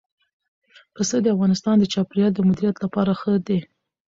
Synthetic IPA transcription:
pəsəd̪əafɣɑnɪst̪ɑnd̪ət͡ʃɑpɾijɑld̪əmʊd̪iɾijat̪lapɑɾaxəd̪e

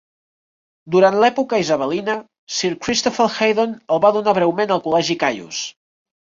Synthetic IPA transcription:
d̪uɾant̪lɛpukəizəβəlinə | siɾkɾist̪ofəlxejðonəlˠβaðunaβ̞ɾɛwmenəlˠkulɛʒikajṵs

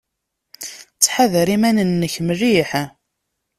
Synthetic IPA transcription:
t͡sːħaðəɾimænənːəçmriħ

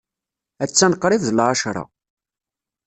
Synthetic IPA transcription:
æt͡sːænqːɾˤɪvðəlʕaʃɾˤɑ̰

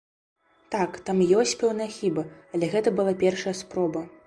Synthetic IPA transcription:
t̪akt̪amjɔsʲt͡sʲpʲɛwnɐjɐxʲibɐɐlʲɛɣɛt̪ɐbɨlˠapʲɛrʂɐjɐspɾɔbɐ

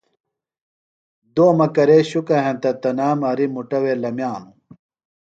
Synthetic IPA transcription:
d̪oːmɐkɐɾeɕukɐɦẽnt̪ɐt̪ɐnaːmɐɾimuʈɐweːlɐmjaːnu

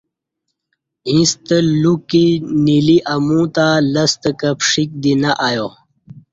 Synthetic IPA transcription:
ĩst̪əlukiniliʔamũt̪aləst̪əkəpʂik̚d̪inaʔajo

